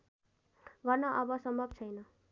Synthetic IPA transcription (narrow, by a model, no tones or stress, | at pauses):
bʱʌnːʌʔʌbʌsʌmbʱʌbt͡sʰʌjnʌ